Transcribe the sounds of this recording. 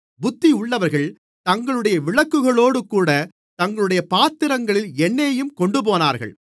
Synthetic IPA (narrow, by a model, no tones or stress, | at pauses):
bʊt̪ːiʊɭːɐʋɐɾɣɐɭ | t̪ɐŋɡɐɭɯɽɐjɐʋɪɭɐkːɯɣɐɭoːɽɯkuːɽɐ | t̪ɐŋɡɐɭɯɽɐjɐpaːt̪ːɪɾɐŋɡɐɭɪlɛnːeːjɯmkɔɳɖɯp̬oːnaːɾɣɐ̰ɭ